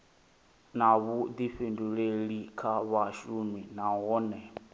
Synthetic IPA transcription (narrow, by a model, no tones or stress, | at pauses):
naβud̪iɸinduɺeɺikʰaβaʃuminaɣɔnɛ